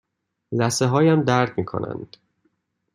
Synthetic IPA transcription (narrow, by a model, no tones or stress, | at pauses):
zæseɦɒːjæmd̪æɾd̪miːkʰo̰nʔæ̰nd̪̥